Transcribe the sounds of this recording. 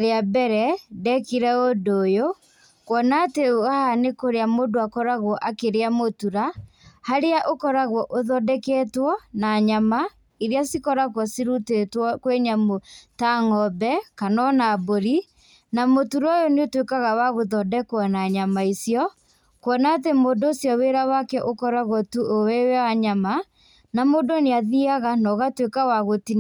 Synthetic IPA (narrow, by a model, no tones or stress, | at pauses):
ɾeabɛɾɛdɛkiɾɛodoːjo | kwɔnateoɣahanekoɾeamodoakɔɾaɣwɔʔakeɾeamotuɾahaɾeaʔokɔɾaɣwɔʔoðɔdɛkɛtwɔnaɲama | iɾeasikɔɾakwɔsiɾutetwɔkweɲamotaŋɔbɛkanɔnaboɾi | namotuɾɔjɔneotwekaɣawaɣoðɔdɛkwɔnaɲamaisjɔ | kwɔnaːtemodoːsjɔweɾawakɛʔokɔɾaɣwɔtuowɛwɛwaɲama | namodoneaðiaɣanɔɣatwekawaɣotin